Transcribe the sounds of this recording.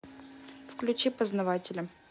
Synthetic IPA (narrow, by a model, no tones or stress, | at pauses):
fklʲʉt͡ɕipəznɐvatʲɪlʲəm